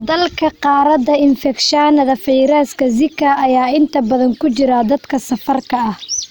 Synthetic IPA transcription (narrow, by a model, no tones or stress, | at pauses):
d̪ɐlkʰɐqɑːɾɐd̪ɐɪnfɛkʃanɐðɐfɛjɾaːskʰɐzɪkʰɐʔːjaːɪnt̪ʰɐbɐðɐŋkʰʊt͡ʃɪɾɐd̪ɐd̪kʰɐsɐfɐrkʰɐɐh